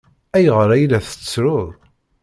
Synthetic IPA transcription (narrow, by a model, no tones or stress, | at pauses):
æjʁəɾˤæjlæθə̥t͡sːɾʊðˤ